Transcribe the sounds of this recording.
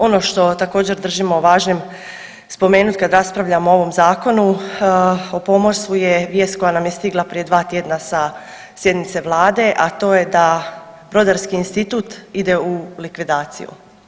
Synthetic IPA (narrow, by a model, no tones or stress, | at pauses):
o̞no̞ʃt̪o̞t̪ako̞ːd͡ʑe̞ɾd̪r̩ʒimoʋaːʒɲem | spo̞me̞ːnut̪ʲkad̪ɾaspɾaʋʎamoo̞ʋo̞mzaːko̞nu | opo̞mosujeʋje̞ːst̪ko̞janamjest̪iɡlˠapɾije̞d̪ʋaːt̪jed̪nasa | sje̞d̪nit̪se̞ʋlˠaːd̪e̞ʔat̪o̞ːje̞d̪ab̥ɾo̞d̪aɾskiːnst̪it̪uːt̪id̪e̞ulikʋid̪aːt̪sḭjṵ